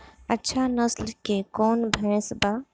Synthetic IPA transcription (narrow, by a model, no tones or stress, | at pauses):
ətːʃʰanəslkekɔːnbʱɛ̃sba